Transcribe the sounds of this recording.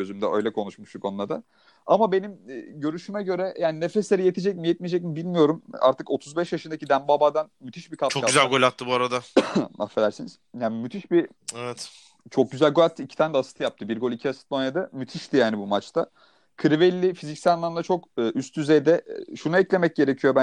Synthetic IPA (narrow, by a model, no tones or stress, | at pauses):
ø̞zymd̪ɛø̞̰jlʲɛkʰo̞nuʃmuʃt̪ukʰo̞nuad̪a | amabe̞nimːɟø̞ɾyʃymɛɟø̞ɾɛjʔaːninefeslʲeɾije̞t̪ʰid͡ʒɛcmijɛt̪̚mijed͡ʒɛc̬̚mibilʲmijo̞ɾuma̰ɾt̪ʰɯko̞t̪ʰuzbɛʃjaʃɯnd̪acʰid̪æmbabad̪anmyt̪ʰiʃbikʰat͡ʃʰokazælʲɡolʲat̪ʰːɯbuaɾad̪ama̰fe̞d̪æɾsiniz̥jaːnmyt̪ʰiʃbi | evɛt̪ | t͡ʃʰo̞k̚ɟyzælʲɡolʲat̪ʰːɯicʰi̥t̪ʰaːnɛd̪ɛasɯ̥t̪ʰɯjap̚t̪ʰɯbiɾɡo̞lʲicʰiasɯ̥t̪lˠonjad̪amyt̪ʰiʃt̪ʰijaːnibumat͡ʃt̪ʰa | kʰɯɾivelʲːifizicsælanˠamlˠat͡ʃʰo̞kɯːʔyst̪ʰyzejd̪ɛʃunuɛclʲe̞mɛc̚ɟe̞ɾecʰijo̞bæ